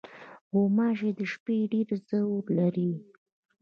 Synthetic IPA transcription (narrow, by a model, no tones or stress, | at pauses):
ɡomɑʒed̪əʃpeɖeɾzəuɾlaɾi